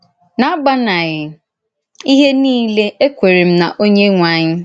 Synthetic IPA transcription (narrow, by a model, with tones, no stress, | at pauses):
na˨a˦ba˦na˨ɣɪ˨ | i˦ɦe˦nĩː˦le˦e˦kʷe˨ɾi˨m̩˦na̰˨ʔo˦ɲe˦ŋʷa˦ɲɪ˦